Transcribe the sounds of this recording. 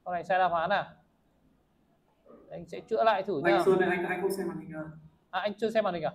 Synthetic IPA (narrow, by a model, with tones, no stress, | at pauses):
ɔ˧˩na˨˩jsaː˧jɗaː˧whaː˨˦naː˨˩˨ | ʔa˧jŋ̟sɛ̰˧˥t͡ɕɨ̰˧˥əla̰ː˧˨jt̪ʰɨ˧˩˨aː˧sɨ˧na˨˩ʔa˧ŋa˨˧˨a˧ŋkṵ˧˥sɛ˧ma˨˩t̪ï˨˩ŋʔaː˨˩ | ʔaː˨˩ʔa˧jŋ̟t͡ɕɨ˧əsɛ˧maː˨˩t̪̟ʰaː˨˩